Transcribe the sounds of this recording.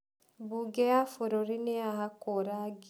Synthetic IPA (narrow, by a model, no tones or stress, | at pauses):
buɡejafoɾoɾineaɦakoɾaɡ